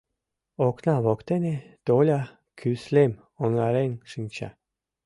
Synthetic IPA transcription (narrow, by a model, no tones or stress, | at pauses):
oknɑβokt̪ened̪̥olʲa | kʰyslem | onɑɾenʲʃɨnʲt͡ɕa̰